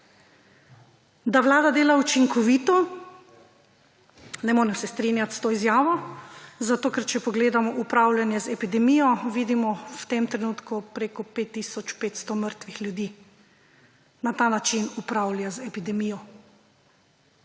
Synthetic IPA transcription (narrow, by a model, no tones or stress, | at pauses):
d̪aʋlaːd̪ad̪eːlaut͡ʃiŋkɔʋiːt̪ɔ | nɛmoːɾɛmsɛst̪ɾinjat̪st̪oːizjaːʋɔzat̪oːkɛɾt͡ʃɛpɔɡleːd̪amɔʔupɾawlʲjanjɛzɛpid̪ɛmijɔʋiːd̪imɔwt̪emt̪ɾɛnuːt̪kupɾeːkɔpet̪ːiːsɔt͡ʃpeːt̪st̪ɔməɾt̪ʋixlʲjud̪iː | nat̪aːnat͡ʃinupɾawljazɛpid̪ɛmiːjɔ